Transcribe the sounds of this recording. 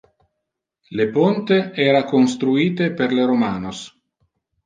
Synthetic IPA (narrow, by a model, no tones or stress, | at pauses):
lepont̪eɛːɾakonst̪ɾuiːt̪eperleɾomaːnos